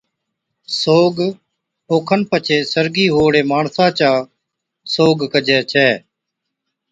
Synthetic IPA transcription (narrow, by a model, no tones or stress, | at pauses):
soːɡ | oːkʰənpət͡ʃʰeːsəɾɡiːɦoːɽeːmaːɳsãːt͡ʃaː | soːɡkəd͡ʒɛːt͡ʃʰɛː